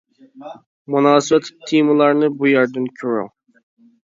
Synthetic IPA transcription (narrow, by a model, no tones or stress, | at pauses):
munɑːsɨbɛt̪t̪ʰːimɨlˠɑɾnɨbujæɾd̪ɪnkʲʰøɾɪ̰ŋ